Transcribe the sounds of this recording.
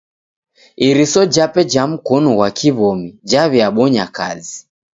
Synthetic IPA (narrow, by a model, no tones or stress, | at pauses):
iɾisɔd͡ʒapɛd͡ʒam̩kɔnɔwakʰiβɔmid͡ʒaβɛaɓɔɲaka̰zi